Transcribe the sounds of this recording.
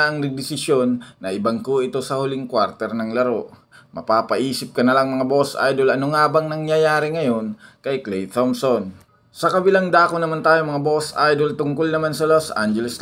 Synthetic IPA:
ʔɐŋnɐɡ̚d̪ɪsɪsjo̞nːɐʔɪbɐŋkoʔɪt̪o̞sɐhʊlɪŋkwaɾt̪ɛɾnɐŋlɐɾo̞ | mɐpaːpɐʔiːsɪp̚kɐnɐlaŋmɐŋabo̞sʔa̰jd̪olɐnoŋaːbɐŋnɐŋjɐjaːɾɪŋɐjo̞nkɐjklɛjt̪omson | sɐkɐbɪlaŋd̪aːkonɐmant̪aːjomɐŋabo̞sʔajd̪olt̪ʊŋkʊlnɐmansɐlosʔa̰nd͡ʒɛlɛsl

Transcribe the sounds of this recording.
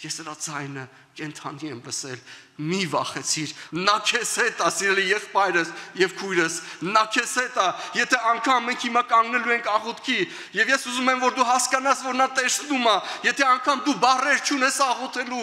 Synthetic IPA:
jɛsnəɾɑd͡zɑjnə | kɛnt̪ʰɑniɛmləsɛ̰l | mivɑ̰χɛt͡sʰiɾnɑkʰɛshɛt̪ɑsiɾɛlijɛχpɑjɾəsjɛvkʰujɾəsnɑkʰɛshɛt̪ɑjɛt̪ʰɛɑŋkʰɑmːɛŋkʰhimɑkɑŋɡnɛluɛŋkʰɑʁɔt̪kʰi | jɛvjɛsuzumɛmvɔɾd̪uɦɑskɑnɑsvɔɾnɑt̪ɛst̪umɑjɛt̪ʰɛɑŋkʰɑmd̪ubɑrɛɾt͡ʃʰunɛsɑʁɔt̪ʰɛlu

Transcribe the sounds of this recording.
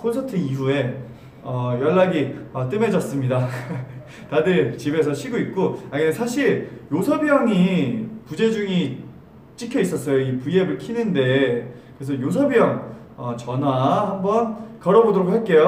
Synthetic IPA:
kʰonsʰʌtʰɯiɸue̞ | ʌjʌɭːaɡiʌt͈ɯme̞d͡ʑʌs͈ɯmɲida | tadɯt͡ɕibe̞s̬ʰʌɕʰiɡoit̚k͈oaɯsʰaɕʰiɭjosʰʌbijʌŋipud͡ʑe̞d͡ʑuŋi | t͡ɕ͈ikʰjʌis͈ʌs͈ʌjoipuiebɯɭkʰinɯnde̞ | kɯɾes̬ʰʌjos̬ʰʌbijʌŋ | ʌt͡ɕʌnahambʌnkʌɾʌbodoɾok̚haɭk͈e̞jo

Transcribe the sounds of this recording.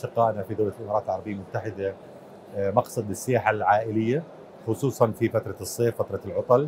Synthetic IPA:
ʃɪqːɑːʔnafid̪awlalʔɪmɑːɾɑːt̪ɪlʕɑɾˤɑbɪjːalmʊt̪ːaħɪd̪a | mɑqsˤɑd̪ɪsːɪjaːħalʕaːʔɪlɪjːa | xʊsˤuːsˤɑnfifat̪ɾˤɑsˤːeːffat̪ɾˤɑlʕʊt̪ˤɑl

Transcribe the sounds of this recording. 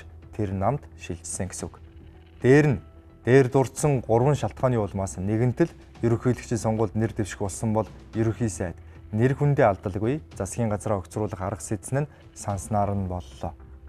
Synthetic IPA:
t̪ʰernamt̪ʃiɮt͡ɕsɘ̆ŋɡe̥sɘ̆k | t̪eːɾɘ̆n | t̪eːrt̪ʊr̥t̪sɞ̆ŋɢʊrwə̆nʃaɬt̪̚χɔːniːʊɮmaːsneɣɘ̆n̥t̪ʰɘ̆ɮ | jɵɾɵ̆xiːɮɘ̆kt͡ɕʰĭnsɔɴɢʊːɮt̪nert̪ewʃɪ̥̆xʊɮsə̆mpɔɮ | jɵɾɵ̆xiːsæːt̪ | nerxunt̪eːaɮt̪ə̆ɮɣujt͡sasɡʲiːɴɢat͡sɾaːœkʲt͡srʊːɮə̆χaɾə̆qset̪sɘ̆nɘ̆n | sansnaːɾə̆npɔɮːɔː

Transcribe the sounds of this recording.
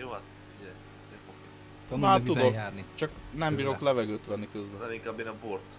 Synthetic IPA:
joat̪ | iɛ | oke | naud̪okaːrnit͡ʃɒknɛmbiːɾo̞klɛvɛɡøːt̪ʋɛnːikøzbɛnɛmiŋkaːbːeːnɒbort̪

